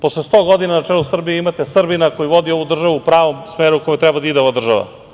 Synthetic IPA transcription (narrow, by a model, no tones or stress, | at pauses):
po̞slˠest̪o̞ɡo̞d̪inanat͡ʂɛlˠusr̩bijimat̪esr̩binako̞jiʋod̪io̞ʋud̪r̩ʒaʋuupɾaːʋo̞msmeːɾukojet̪ɾɛbad̪aid̪eoʋad̪r̩ʒaʋa̰